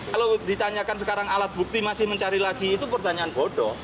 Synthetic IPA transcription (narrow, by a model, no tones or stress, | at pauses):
kalod̪it̪aɲakans̬əkaɾaŋalat̪̚buk̚t̪imasɪhməɲt͡ʃaɾilaɡ̥iːt̪upərt̪aɲaanbɔɖɔ